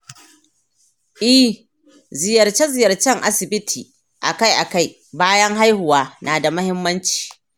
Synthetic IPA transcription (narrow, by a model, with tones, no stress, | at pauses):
ʔɪ˦ | zɪ˨jɐ˨rt͡ʃe˦zɪ˨jɐ˨rt͡ʃɛ˦˨ŋʔa̰˦sɪ˨bɪ˦tʰiː˨ | ʔa̰˨ka˦jʔa˨ka˦˨j | baː˦jɐ˦ŋɦa˦jhʊ˨waː˦naː˨da˨mɐ˦hɪ˦mːɐ˦nt͡ʃi̥ː˨